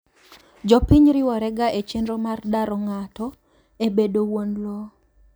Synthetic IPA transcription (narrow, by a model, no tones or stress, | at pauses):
d͡ʒɔpiɲɾɪwɔɾɛɡaʔet͡ʃendɾomardaɾɔŋatɔ | ebedowonlo